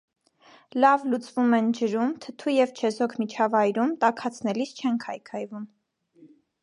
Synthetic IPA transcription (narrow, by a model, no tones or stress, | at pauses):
lɑvlut͡svumɛnd͡ʒəɾumt̪ʰət̪ʰujɛvt͡ʃʰɛzɔkʰmit͡ʃʰɑvɑjɾumt̪ɑkʰɑt͡sʰnɛlist͡ʃʰɛŋkʰɑjkʰɑjvum